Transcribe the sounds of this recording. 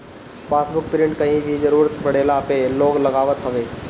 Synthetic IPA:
paːsbʊk̚pɪɾɪ̃ɳʈkɐɦĩbʱizɐɾuːɾət̪bɐɽeːlapeloːɡlɐɡaːʋət̪ɦɐʋeː

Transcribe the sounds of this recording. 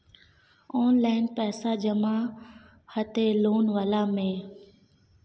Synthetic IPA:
oːnlaːɪnpɛːsaːd͡ʒəmãː | hət̪eːloːnʋəlaːmẽː

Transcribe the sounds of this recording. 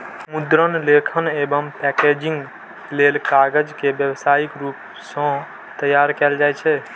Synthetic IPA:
mud̪ɾənlekʰənebəmpɛked͡ʒĩŋɡ | lelkaɡəd͡ʒkebjəʋsaikɾup | sə̃ | t̪əjaɾkɛld͡ʒajt͡ʃʰɛ

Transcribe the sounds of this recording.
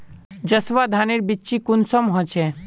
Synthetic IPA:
d͡ʒəsʋad̪ʱaniɾbiːʃikunsɔmɦɔt͡ʃʰe

